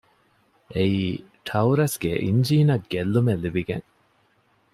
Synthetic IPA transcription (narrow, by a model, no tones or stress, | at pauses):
ʔeiː | ʈʰɐwuɾɐsɡeʔiɲd͡ʒiːnɐɡːelːumelːibiɡḛŋ